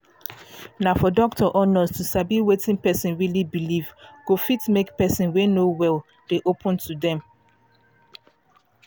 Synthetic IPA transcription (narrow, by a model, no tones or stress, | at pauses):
naʊfɔdɔk̚tʰɔʔɔnɔstusabiwetĩnpɛsĩnɹilibilivɡ̥ofitmekpɛsĩnwenowɛl | d̥eʔopʰɔ̃ntʰudɛ̃m